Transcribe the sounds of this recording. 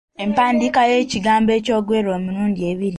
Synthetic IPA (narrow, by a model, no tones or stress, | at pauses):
empaːndikaje̞ːciɡaːmbe̞ːco̞ːɡweɾo̞ːmuɾuːndieːβiɾi